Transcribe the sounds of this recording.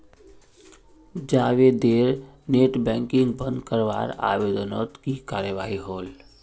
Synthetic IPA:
d͡ʒaːʋed̪eːɾ | neːʈbɛ̃ːŋkɪ̃ŋɡbə̃nd̪kəɾʋa̰ːɾa̰ʋeːd̪ənot̪kikaːɾjəʋaːɦiɦoːl

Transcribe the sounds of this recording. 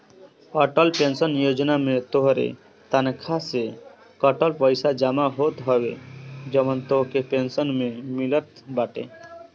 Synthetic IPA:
ɔʈəlpẽnsənjod͡ʒnamẽt̪oɦɾḛ | t̪ənkʰase | kəʈəlpəɪsad͡ʒamaɦot̪ɦɔʋḛd͡ʒəmənt̪oɦkepensənmẽmilət̪baʈḛ

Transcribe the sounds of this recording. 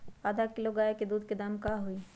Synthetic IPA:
aːd̪ʱakɪloɡaːeked̪uːd̪ked̪aːmkaɦui

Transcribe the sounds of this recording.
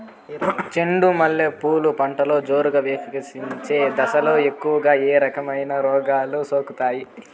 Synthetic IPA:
t͡ʃeɳɖumɐlːeːpuːlupɐɳʈɐlo̞ːd͡ʒoːɾuɡɐʋeːkikɐsiɲt͡ʃe̞ːd̪ɐsɐlo̞ːe̞kːuʋɐɡaːeːɾɐkɐmɐjnɐɾɔːɡaːlusoːkut̪aːji

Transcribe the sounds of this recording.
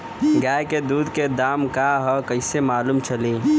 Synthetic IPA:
ɡaːjked̪uːd̪ked̪aːmkaɦɔkəɪsemaːluːmt͡ʃəliː

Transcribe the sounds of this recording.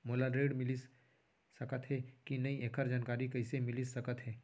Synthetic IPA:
moːlaɾeːɖmɪlis | sɐkət̪ɦɛkinɐiʔeːkʰəɾd͡ʒaːnkaːɾikɐɪsemɪlisɐkət̪ɦɛː

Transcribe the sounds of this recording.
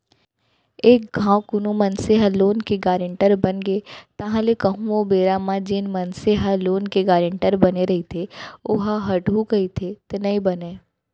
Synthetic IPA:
eːk̚ɡʱãːwkʊnumɐnseɦaloːnkeɡaːɾɪ̃ɳʈəɾbɐnɡeːt̪ɐɦãlekɐɦũobeːɾamãd͡ʒɪnmɐnseɦaloːnkeɡaːɾɪ̃ɳʈəɾbɐneɾɐɦit̪ʰeʊɦaɦɐʈɦukɐit̪ʰet̪enɐibɐneː

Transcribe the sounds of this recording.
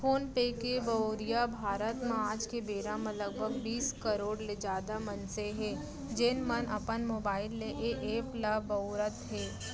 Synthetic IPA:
foːnpeːkebɐoːɾijabʱaːɾət̪mãaːd͡ʒkebeːɾamẽləɡ̚bʱəɡbiːskəɾoːɽled͡ʒaːd̪amɐnseɦɛː | d͡ʒɪnmənɐ̰pənmoːbaːɪlːeʔeʔeːpləɐoːɾət̪ɦɛː

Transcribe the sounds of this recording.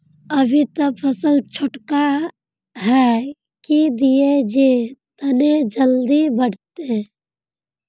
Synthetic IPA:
əbʱit̪əbpʰəsəlt͡ʃʰʊʈka | ɦɛ | kid̪ijed͡ʒet̪əned͡ʒəld̪ibəɽ̤t̪e

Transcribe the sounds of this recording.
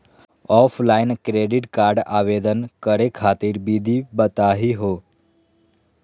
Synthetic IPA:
ɔfʰlainkɾeɖiʈkaɾɖa̰ʋed̪ənkəɾekʰat̪iɾbid̪ʱibət̪aɦiɦo

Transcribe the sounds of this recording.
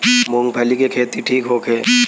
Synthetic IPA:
mõːŋɡpʰɐlikekʰeːt̪iʈʰiːkɦoːkʰeː

